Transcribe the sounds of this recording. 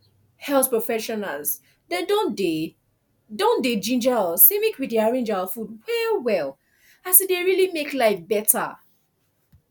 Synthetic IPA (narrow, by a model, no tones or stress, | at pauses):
hɛlθpɹɔfɛʃɔna̰lz | dɛ̃dõnde | dõnded͡ʒĩnd͡ʒalsemikwiddiaɹẽnd͡ʒafud̚wɛlwɛl | asideɹilimeklaɪfbɛtʰə̰